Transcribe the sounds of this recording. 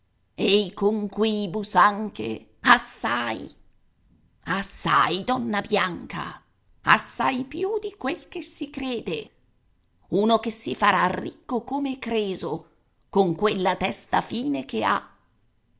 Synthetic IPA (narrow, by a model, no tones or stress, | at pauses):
eikoŋkwiːbusaŋkḛ | asːaj | asːa̰jd̪ɔnːabjaŋka̰ | a̰sːajpjud̪ikwelkesikɾeːd̪e | uːnokesːifaɾarːikːokomekɾeːzo | koŋkwelːat̪ɛst̪afiːnekea̰